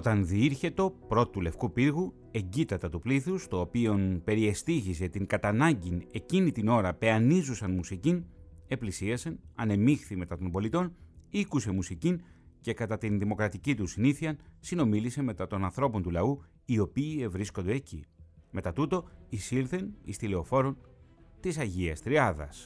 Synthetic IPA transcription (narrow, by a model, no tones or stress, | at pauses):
ot̪ɐnðiiɾçe̞t̪o̞pɾo̞t̪t̪ule̞fkupiɾɣu | e̞ɲɟit̪ɐt̪ɐt̪upliθust̪o̞ːpio̞npe̞ɾie̞st̪içis̬e̞t̪iŋkɐt̪ɐnɐɲɟine̞cinit̪ino̞ɾɐpe̞ɐnizusɐnmusicine̞plisiɐsenɐ̰ne̞mixθime̞t̪ɐt̪o̞mbo̞lit̪o̞nikuse̞musicin | ce̞kɐt̪ɐt̪inðimo̞kɾɐt̪icit̪usiniθiɐnsino̞milise̞me̞t̪ɐt̪o̞nɐnθɾo̞po̞nt̪ulɐu | io̞piːe̞vɾisko̞nd̪eːcḭme̞t̪ɐt̪ut̪o̞isiɾθe̞nḭst̪ile̞o̞fo̞ɾo̞nt̪isɐʝiɐst̪ɾiɐðɐ̰s